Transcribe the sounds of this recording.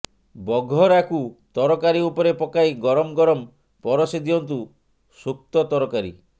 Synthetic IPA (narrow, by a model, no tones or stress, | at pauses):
bɔɡʱɔɾakut̪ɔɾɔkaɾiupɔɾepɔkajɡɔɾɔmɡɔɾɔm | pɔɾɔsid̪ijɔnt̪u | suk̚t̪ɔt̪ɔɾɔkaɾḭ